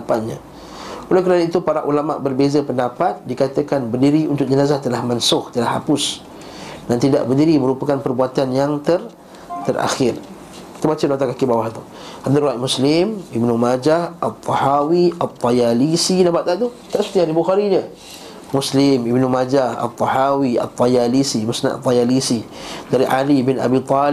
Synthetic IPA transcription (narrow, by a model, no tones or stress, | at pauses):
apat̪̚ɲə̰̃ | olɛkəɾanait̪upaɾaʔulamaʔbərbezəpəndapat̪̚dikat̪əkanbərdiɾiunt̪ʊk̚d͡ʒənazaht̪əlahmansʊxt̪əlaha̰pʊs | nant̪ida̰ʔbərdiɾiməɾupəkanpərbuat̪anjaŋt̪ər | t̪əra̰xɪr | ki̥t̪əbat͡ʃənat̪akakibawaht̪u | ad̪aɾuat̪muslɪmibnumad͡ʒahʔat̪ˤːɑhawiat̪ˤːɑjalisinabaʔt̪aʔt̪u | t̪aʔsu̥t̪iaɾibuxaɾiɲə | muslɪmibnumad͡ʒaha̰t̪ˤːɔhawia̰t̪ˤːɑjalisimusna̰ʔt̪ˤːajalisidaɾiʔalibɪna̰bit̪ˤɑl